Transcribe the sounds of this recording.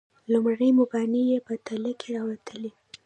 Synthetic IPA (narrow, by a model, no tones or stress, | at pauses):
lumɽəjmʊbɑnijepət̪aləkʰeɾɑwat̪ʰəli